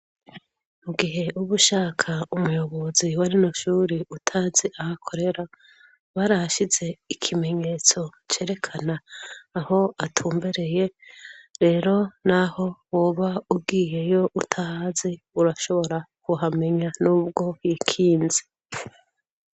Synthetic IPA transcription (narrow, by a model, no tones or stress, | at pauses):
muɡiɦe̞ʔuβuʃaːkʰaumujo̞βo̞ziwaɾinoʃuːɾiutʰazeʔahakʰo̞ɾe̞ɾa | βaɾaʃize̞ikʰime̞ɲe̞t͡so̞t͡ʃe̞ːɾe̞kʰanaːho̞atʰuːmbeɾe̞je̞ɾe̞ːɾo̞naho̞woβaub̚ɡiːje̞jo̞ʔutʰaaze | uɾaʃo̞βo̞ɾakuɦame̞ɲanuːb̚ɡo̞ikʰiːnze